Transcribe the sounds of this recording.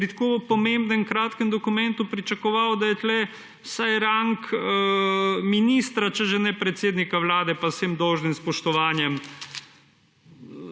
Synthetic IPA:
pɾit̪ḁkoːpɔmembnɛmkɾaːt̪kɛmd̪ɔkumɛ̃nt̪upɾit͡ʃakɔʋaːwd̪ajɛt̪lɛ | sajɾaŋk | miniːst̪ɾat͡ʃɛʒɛnɛpɾɛt̪seːd̪nikawlaːd̪ɛpasemd̪ɔwʒnimspɔʃt̪ɔʋaːnjɛm

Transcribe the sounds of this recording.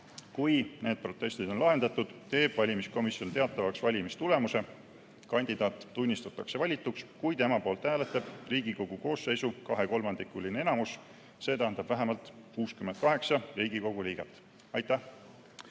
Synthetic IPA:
kujne̞ːd̪̥̚pro̞t̪ːˑe̞st̪id̪o̞nlɑɦe̞nd̪ɑt̪ːˑud̪̥t̪e̞ːb̥vɑlʲimisko̞misjo̞nt̪e̞ɑt̪ːˑɑvɑksvɑlʲimist̪ule̞muse̞ | kɑnʲd̪id̪ɑːt̪ːunʲːist̪ut̪ːˑɑkse̞vɑlʲit̪ːˑukskujd̪e̞mɑpo̞ːlt̪hæːlet̪ːˑɑb̥riːɡiko̞ɡ̥uko̞ːse̞jsukɑɦe̞ko̞lmɑnd̪̥ikːˑulineenɑmus | se̞ːt̪æɦænd̪̥ɑb̥væɦemɑlt̪kuːskymend̪̥̚kɑɦe̞ksɑriːɡ̥iko̞ɡ̥uliːɡ̥et̪ːˑ | ɑjt̪ːæh

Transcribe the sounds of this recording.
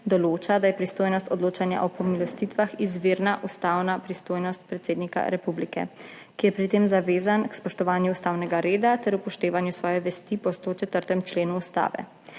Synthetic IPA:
d̪ɔloːt͡ʃad̪ajɛpɾist̪ojnɔst̪ɔd̪loːt͡ʃanja̰ʔɔpɔmilɔst̪it̪ʋaxizʋeːɾnaʔust̪aːwnapɾist̪oːjnɔst̪̚pɾɛt̪seːd̪nika̰ɾɛpublikɛ̰ | kijɛpɾit̪emzaʋeːzankspɔʃt̪ɔʋaːnjuːst̪aːwnɛɡaɾeːd̪at̪ɛɾupɔʃt̪eːʋanjusʋɔːjɛʋɛst̪ipɔst̪ot͡ʃɛt̪əɾt̪ɛmt͡ʃleːnuːst̪a̰ːʋɛ̰

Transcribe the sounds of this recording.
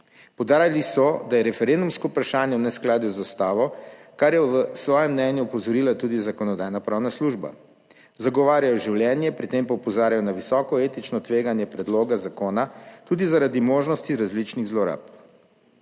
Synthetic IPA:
pɔwd̪aːɾjalisɔd̪ajɛɾɛfɛɾend̪umskɔupɾaʃaːnjɛnɛsklaːd̪juzɔst̪aːʋɔkaɾjɛʋəsʋɔːjɛmnɛnjuːpɔzɔɾilat̪uːd̪izakɔnɔd̪aːjnapɾaːwnasluʒba̰ | zaɡɔʋaːɾjajɔʒiwljɛnjɛpɾit̪empaupɔzaːɾjajɔnaʋisɔːkɔet̪it͡ʃnɔt̪ʋeːɡanjɛpɾɛd̪loːɡazakoːnat̪uːd̪izaɾad̪imoːʒnɔst̪iɾazlit͡ʃniɣzlɔɾa̰p

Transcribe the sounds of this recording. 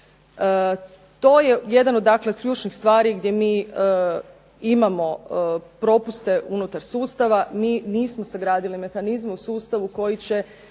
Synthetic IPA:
t̪o̞ːje̞je̞d̪anod̪ːakleo̥kʎuːt͡ʃnixst̪ʋaːɾiɡd̪je̞miː | imamo̞pɾo̞pust̪e̞ʔunut̪aɾsuːst̪aʋamiːniːsmo̞saɡɾaːd̪ilime̞xanizmeusuːst̪aʋuko̞jit͡ɕe̞

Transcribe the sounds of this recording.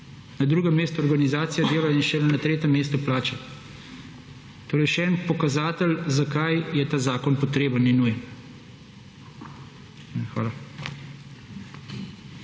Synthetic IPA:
nad̪ɾuːɡɛmːeːst̪uɔɾɡanizaːt̪sijad̪eːlainʃɛlɛnat̪ɾeːt̪ɛmːeːst̪uplaːt͡ʃɛ | t̪oːɾɛjʃɛɛːnpɔkazaːt̪əlzakajjɛt̪aːzaːkɔnpɔt̪ɾeːbənːinujɛn | xʋa̰ːla

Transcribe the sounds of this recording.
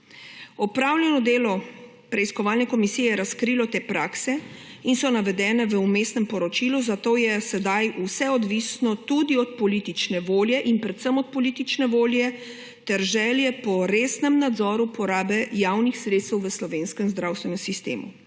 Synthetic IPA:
ɔpɾaːwljɛnɔd̪eːlɔ | pɾɛiskɔʋaːlnɛkɔmisijɛjɛɾaskɾilɔt̪eːpɾaːksɛinsɔnaʋɛd̪ɛːnɛʋəumeːsnɛmpɔɾɔt͡ʃiluzat̪oːjɛsɛd̪ajusɛɔd̪ʋisnɔt̪ud̪iɔt̪̚pɔliːt̪it͡ʃnɛʋoːljɛʔinpɾɛt̪səmɔt̪̚pɔliːt̪it͡ʃnɛʋoːljɛ | t̪ɛɾʒɛːljɛpɔɾeːsnɛmnad̪zɔːɾupɔɾaːbɛjaːwnixsɾeːt̪st̪ɛwʋəslɔʋeːnskɛmzd̪ɾaːwst̪ʋɛnɛmsist̪ḛːmṵ

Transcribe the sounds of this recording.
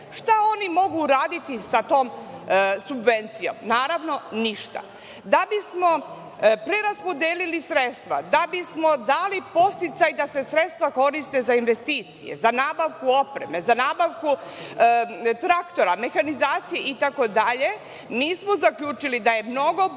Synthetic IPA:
ʃt̪ao̞nimo̞ɡuɾaːd̪it̪isat̪o̞ːm | subʋe̞nt̪sijo̞̰mnaːɾaʋno̞niʃt̪a̰ | d̪abismo̞ | pɾe̞ɾaspo̞d̪eːlilisɾet̪st̪ʋa̰d̪abismo̞d̪aːlipo̞st̪it̪sajd̪ase̞sɾe̞t̪st̪ʋako̞ɾist̪e̞zainʋe̞st̪iːt̪sijḛzanaːbaʋkuo̞pɾe̞̰me̞zanaːbaʋku | t̪ɾakt̪o̞ɾame̞xanizaːt̪sijeʔit̪ako̞d̪aʎe̞ | miːsmozakʎuːt͡ʃilid̪aje̞mno̞ɡo̞

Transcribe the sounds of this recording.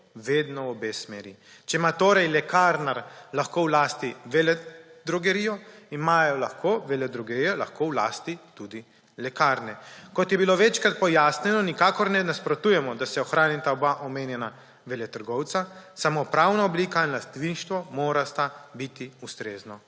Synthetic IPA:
ʋeːd̪nɔwɔbeːsmeːɾi | t͡ʃɛimat̪oːɾɛjlɛkaːɾnaɾlaxkoːwlaːst̪iʋɛlɛd̪ɾɔɡɛɾijɔimaːjɔlaxkʰoːʋɛlɛd̪ɾɔɡɛɾijɔlaxkoːwla̰ːst̪it̪ud̪i | lɛkaɾnɛkɔt̪jɛbiloʋɛt͡ʃkɾat̪̚pɔjaːsnɛnɔnikaːkɔɾnɛnaspɾɔt̪uːjɛmɔd̪asɛɔxɾaːnit̪aɔbaʔɔmeːnjɛna | ʋɛlɛt̪əɾɡɔwt̪sasamopɾaːwnaɔbliːkainlast̪ʋinʃt̪ʋɔmoːɾast̪abit̪iust̪ɾeːznɔ

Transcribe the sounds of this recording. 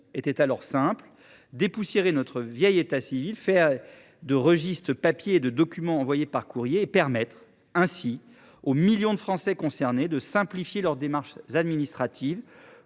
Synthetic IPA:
et̪ɛt̪alɔʁsɛ̃pl | d̪epusjeʁenɔt̪χəvjɛjet̪asivilfɛʁ | d̪əʁəʒist̪χəpapjeːd̪əd̪ɔkʲymɑ̃ːvwajepaʁkuʁjeːpɛʁmɛt̪χ | ɛ̃si | omiljɔ̃d̪əfχɑ̃sɛkɔ̃sɛʁned̪əsɛ̃plifjelœʁd̪emaʁʃzad̪minist̪χat̪ʰiv

